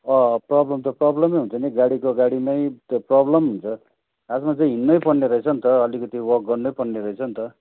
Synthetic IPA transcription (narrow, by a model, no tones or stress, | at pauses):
ʌprʌblʌmt̪ʌprʌblʌmʌjɦunt͡sʰʌniɡaɽikoɡaɽimajt̪prʌblʌmɦunt͡sʰʌ | asmat͡sʌĩɦinːʌjpʌnːeɾʌjt͡sʰʌnt̪ʌʌlikʌt̪iwʌk̚ɡʌrnːʌjpʌnːeɾʌet͡sʰʌnt̪ʌ